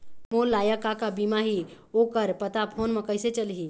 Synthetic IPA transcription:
molːajəkakabimaɦi | okəɾpət̪apʰonməkəjset͡ʃəlɦi

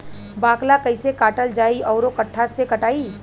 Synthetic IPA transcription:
baːklakɐɪsekaːʈəld͡ʒaːiɔːɾokɐʈʰːasekɐʈaːiː

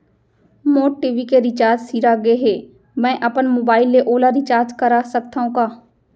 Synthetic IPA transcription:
moːʈiːʋikeɾɪt͡ʃaːɾd͡ʒsiːɾaɡeɦeː | mɛ̃ːʔɐpənmoːbaːɪlːeʔoːlaɾɪt͡ʃaːɾd͡ʒkɐɾasək̚t̪aɦõkaː

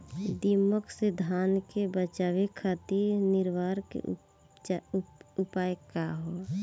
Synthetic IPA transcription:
d̪iməksed̪ʱaːnkebət͡ʃawekʰat̪iɾnɪɾʋaːɾkḛ | upaːjkaɦo

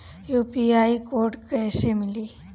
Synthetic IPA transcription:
juːpiaːikoːɾʈkɛːsemɪli

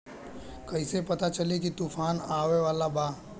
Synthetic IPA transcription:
kɐisepɐt̪at͡ʃɐlekit̪uːfʰaːnaːʋeʋaːlabaː

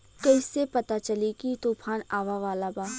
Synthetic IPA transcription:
kɐɪsepɐt̪at͡ʃɐlikit̪oːpʰaːnaːʋaʋaːlabaː

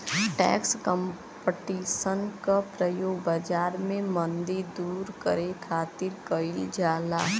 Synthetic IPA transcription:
ʈɛ̰ːkskə̃m | pəʈiːʃənkapɾəjoːɡ̚bad͡ʒaːɾmẽmə̃nd̪iɾd̪uːɾkəɾekʰaːt̪ɪɾkəɪld͡ʒaːla̰ː

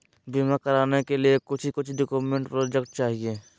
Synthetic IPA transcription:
bimakəɾaːnekeliekʊt͡ʃʰikʊt͡ʃʰɖokuːmẽɳʈpɾoːd͡ʒekʈ̚t͡ʃaːɦieː

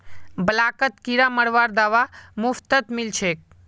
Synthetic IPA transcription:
bəlakət̪kiɾaməɽʋaɾd̪aʋamʊft̪ət̪milt͡ʃʰek̚

